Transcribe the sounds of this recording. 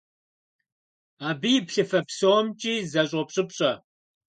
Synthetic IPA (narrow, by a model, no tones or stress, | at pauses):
aːbɨjɪpɬɨfɐpsowmt͡ʃʼiːzɐɕ̬ʼɔpɕʼɪpɕʼɐ